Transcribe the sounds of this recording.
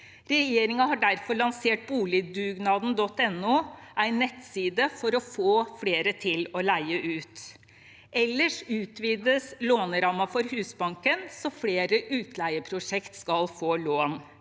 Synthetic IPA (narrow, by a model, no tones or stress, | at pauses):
ɾɛjeːɾɪŋɑhɑɖæɾfɔɭɑnseːʈ̚buːlɪd̪ʉːɡnɑːd̪n̩d̪ɔt̪ːɛnːuːæɪnːɛt̪siːd̪əfɔɾɔfoːfleːɾət̪ʰɪlɔlæɪəʔʉːt̪ | ʔɛlːəʂʉːt̪ʋiːd̪əsloːnɾɑːmɑfɔɾhʉːsbɑŋkənsɔfleːɾəʔʉːt̪ʰlæɪəpʰɾʊʂɛkt̪skɑlfoːloːn